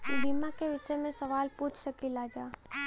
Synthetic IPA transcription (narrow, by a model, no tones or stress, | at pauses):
biːmãkeʋɪʃəjmẽsɐʋaːlpuːt͡ʃʰsɐkilaːd͡ʒaː